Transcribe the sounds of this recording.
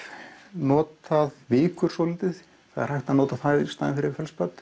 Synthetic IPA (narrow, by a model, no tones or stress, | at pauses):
nɔːt̪aðvɪːkʏɾ̥sɔːlɪt̪ɪθ | θa̰ðɛ̰ɾ̥r̥hajht̪anɔːt̪aθast̪aːðɪ̰nfɪɾɪɾfjɛlspœt̪